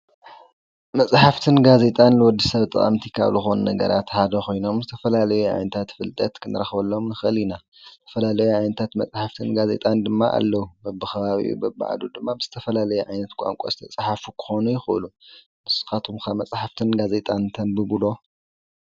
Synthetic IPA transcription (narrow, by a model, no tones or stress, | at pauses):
mɐt͡sʼħaft̪ʰɨnɡaze̞t̪ʼanlɨwɔd̪ːisɐβt̪ʼɨ̰χʼɐ̰mt̪ʰikʰa̰βzɨxo̞nunɐɡɐ̰ɾʔa̰t̪ħad̪ɐxʰo̞jno̞mzɨt̪ʰɐfɐlalɐjuʕa̰jnɐt̪ʰat̪fɨlt̪ʼɐt̪kʰɨnɨɾɐxβɐlːomnɨxɨlina | zɨt̪ʰɐ̥fɐlalɐjuʕajnɐt̪ʰat̪mɐt͡sʼħaft̪ʰɨnɡaze̞̰t̪ʼand̪ɨmːaʔa̰lːɐwubɐbːɨxɐβaβḭʔṵbɐbːɨ̰ʕa̰d̪ud̪ɨmːabɨzɨt̪ʰɐfɐlalɐjɛʕajnɐt̪kʷʼa̰ŋkʷʼo̰sʼt̪ʰɐt͡sʼħafukʰɨ̥xo̞nujɪxʔɨ̰lu | mɨsxat̪ʰumkʰamːɐt͡sʼħaft̪ʰɨnɡaze̞t̪ʼant̪ʰɐnbɨbɨlo̞